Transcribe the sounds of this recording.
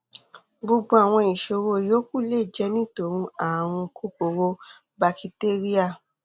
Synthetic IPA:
bo˧ɡ͡bo˧a˨w̃ɔ̃˧i˨ʃo˧˦ɾo˧˦jo˦ku˦˨le˦˨d͡ʒɛ˦nĩ˦to˨˦ɾ̃ũ˧a˨w̃ɔ̃˧kʰu˦ko˨ɾo˧ | ba˧ki˧te˦ɾi˦a˦˨

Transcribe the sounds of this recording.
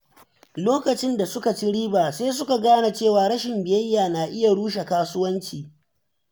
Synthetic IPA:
loː˦kɐ˨t͡ʃɪ˦nda˨sʊ˦ka˨t͡ʃi˦ɽiː˦baː˨seː˦s̬ʊ˦ka˨ɡaː˦na˨t͡ʃeː˦˨waː˨ɽɐ˦ʃɪ˨mbɪ˨jɐ˦jːaː˨naː˨ʔɪ˦ja˨ɽuː˦ʃe˨kaː˦sʊ˦wɐ˦nt͡ʃiː˨

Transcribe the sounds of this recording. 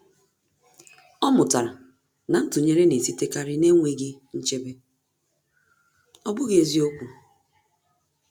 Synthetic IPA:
ɔ˦mʊ˨ta˨ɾa˨ | na˨n̩˦tʊ˨ɲe˦ɾe˦ne˨si˦te˦ka˦ɾɪ˦ne˦ŋʷe˦ɡɪ˦n̩˦t͡ʃe˦be˦ | ɔ˦bʊ˦ɣe˨zi˦o˦kʷu˨

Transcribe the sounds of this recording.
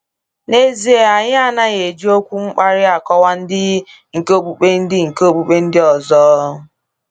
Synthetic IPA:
ne˦zi˦e˨a˨ɲɪ˦a˨na˦ɣe˨d͡ʒi˦o˦kʷu˦ŋ͡m̩˦k͡pa˦ɾɪ˦a˨kɔ˦wa˦n̩˦dɪ˦ | ŋ̩˨ko˦˨k͡pu˨k͡pe˦n̩˦dɪ˦ŋ̩˨ko˦k͡pu˨k͡pe˦n̩˦dɪ˦ɔ˨zɔ˦ɦɦʊ˦

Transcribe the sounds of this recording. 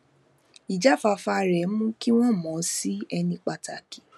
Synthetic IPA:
i˨d͡ʒa˦fa˧fa˧ɾɛ˨˦mũ˦ki˦w̃ɔ̃˦˨mɔ̃˨˦si˦ɛ˧nĩ˧k͡pa˧ta˨ki̥˨˦

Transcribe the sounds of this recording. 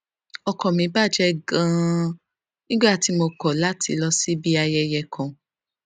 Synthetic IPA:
ɔ˧kɔ̃˨mĩ˨˧˦ba˦˨d͡ʒɛ˦ɡã˦ | nĩ˦ɡ͡ba˦˨ti˧˦mo˧kɔ˨la˦tʰḭ˧lɔ˧si˦bi˦a˧jɛ˧jɛ˧kʰã˧

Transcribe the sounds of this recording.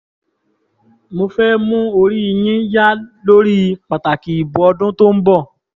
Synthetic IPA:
mo˧fɛː˦mũ˦o˧ɾi˦i˧j̃ĩ˦ja˦lo˦ɾi˦˧k͡pa˨ta˨ki˨i˨bũ˨ɔ˧dũ˦to˦m̩˦bɔ˦˨

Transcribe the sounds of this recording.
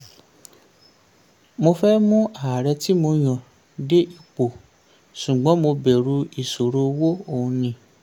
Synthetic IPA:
mo˧fɛ˦mũ˦a˨ɾɛ˧ti˦mo˧j̃ɔ̃˨ | de˦ʔi˨k͡po˨ | ʃũ˨ɡ͡bɔ̃˨˦mo˧bɛ˨ɾu˧˦i˨so˨ɾo˧wo˦o˦˨ũ˧nĩ˧˦

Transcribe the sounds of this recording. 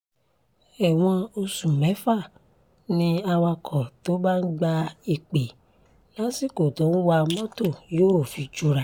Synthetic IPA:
ɛ˨w̃ɔ̃˧o˧sũ˨mɛ̃˨˦fa˦˨ | nĩ˧a˧wa˧kʰɔ˨to˨˦ba˦n̩˦ɡ͡ba˧i˧k͡pe˨ | lã˨˦si˦˨ko˨to˨˦n̩˦wa˧mɔ̃˦to˦˨joː˦˨fi˧˦d͡ʒu˧˦ɾa˧˦

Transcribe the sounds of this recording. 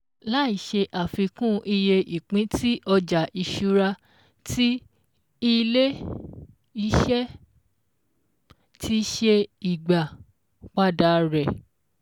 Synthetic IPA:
la˦i˨ʃe˧ʔa˨fi˧kũ˦ʔi˧je˧i˨k͡pĩ˨˦tʰi˦ʔɔ˧d͡ʒa˨ʔi˨ʃu˨˦ɾa˧ | tʰi˦ | i˧le˦ | i˧˦ʃɛ˦ | tʰi˧ʃe˧i˨ɡ͡ba˨ | k͡pa˦da˧ɾɛ˨

